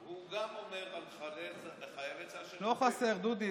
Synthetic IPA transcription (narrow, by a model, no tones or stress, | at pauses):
huɡamomeʁalχaʁezleχajeveanoχaseʁd̪ud̪i